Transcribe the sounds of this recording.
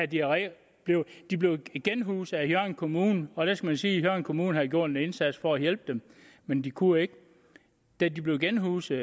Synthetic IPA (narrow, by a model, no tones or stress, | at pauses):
æd̥iʁɛ | b̥le̝ʊd̥ib̥le̝ʊɡ̥enɦuːsæhjɶɐ̰nkʰo̝muːnəɒ̽ɾ̥æsɡ̥æmænsiːhjɶɐnkʰo̝muːn̩hæðˠɡ̥jo̝ɐ̰d̥e̝ne̝nsæd̥sfɒ̽æjel̰b̥əd̥em | mend̥ikʰue̝ɡ̥ə | d̥ædib̥le̝ʊɡ̥enɦuːs